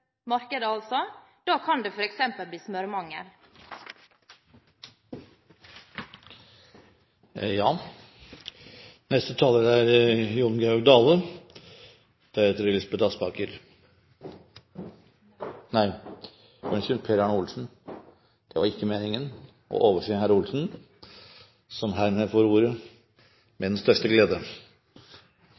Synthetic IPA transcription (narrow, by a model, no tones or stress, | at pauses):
mɑɾkəd̪əɑlsɔd̪̥ɑːkʰɑnd̪efɔɾɛksɛmpəlb̪iːsmœɾmɑŋːə̰ɾ | jɑː | nɛst̪ət̪ʰɑːlːəɾæɾjʊɳɡɑd̪ɑːlə | d̪̥ɛhet̪əɾɪlɪsbət̪ɑspɑːkəɾ | næɪ | ṵnçʉnpʰeːɾɑɳʊlsn̩ | d̪̥ɛʋɑɾɪkːəmeːnɪŋən | ʔɔ̰ʔoːʋəʂɪhæɾʊlsn̩ | sɔmɦæːɾmeːfoːɾuːɾə | mɛd̪ɛnst̪œʂt̪əɡleːd̪ə